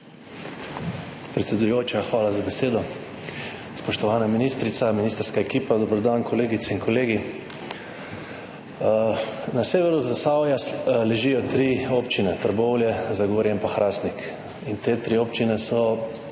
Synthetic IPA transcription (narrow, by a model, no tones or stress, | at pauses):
pɾɛt̪sʲɛd̪ujoːt͡ʃaxʋaːlazabɛseːd̪ɔ | spɔʃt̪ɔʋaːnaminiːst̪ɾit̪saminist̪əɾskaɛkiːpad̪ɔbəɾd̪ankʰɔleːɡit̪sɛinkɔleːɡi | naseːʋɛɾuzasawjalɛʒiːjɔt̪ɾiopt͡ʃinɛt̪əɾbɔwljɛzaɡoːɾjɛmpaxɾʔaːsnik | int̪eːt̪ɾioːpt͡ʃinɛsɔ